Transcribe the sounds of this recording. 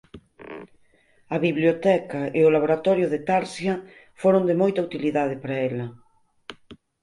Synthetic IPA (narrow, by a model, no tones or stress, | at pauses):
ɐβiβljot̪ɛkaeolaβoɾat̪ɔɾjoðet̪aɾsjɐfoɾond̪emojt̪aut̪iliðað̞epaɾaelɐ